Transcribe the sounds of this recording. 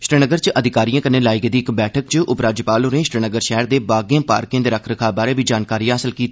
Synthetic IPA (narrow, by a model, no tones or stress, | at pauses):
ʃɾiːnəɡəɾt͡ʃəd̪ʱɪkaːɾijãːkəneːlaːɪɡd̪iːɪkbɛːʈʰək̚t͡ʃəʔʊpɾaːd͡ʒəpaːlɦoːnẽːʃɾiːnəɡəɾʃɛːɾd̪eːbaːɡijãːpa̰ːɾkɪ̃ːd̪eːɾəkʰɾəkʰaːbaːɾeːʋiːd͡ʒaːnkaːɾiːãːɦəsəlkiːt̪ː